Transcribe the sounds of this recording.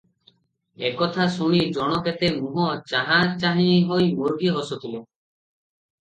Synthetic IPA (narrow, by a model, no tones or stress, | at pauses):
ekɔt̪ʰasuɽ̃id͡ʒɔɽ̃ɔket̪emuɦɔt͡ʃaɦãt͡ʃaɦĩɦojmoɾɡʱiɦɔsɔt̪ile